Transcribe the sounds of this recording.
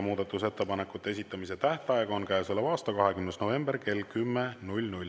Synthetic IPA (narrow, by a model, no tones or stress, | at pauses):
muːd̪̥ɑt̪ːˑuse̞t̪ːepɑne̞kːˑut̪ːˑee̞sʲit̪ːˑɑmis̬e̞t̪æht̪eɑeɡɑonkæjselːevɑːst̪ɑkɑɦe̞kymnesnove̞mb̥erke̞lkymːenulʲnulʲ